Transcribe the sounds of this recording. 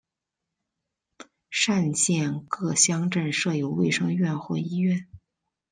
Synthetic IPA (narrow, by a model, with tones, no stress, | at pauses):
ʂa˥˧nt͡ɕjɛ˥˧nkɤ˥˩ɕjɑ˥ŋʈ͡ʂə˥˧nʂɤ˥˩jo˧˥ʊwe˥˩ɪʂɤ˥ŋɥɛ˥˧nxwɔ˥˩i˥ɥɛ˥˩n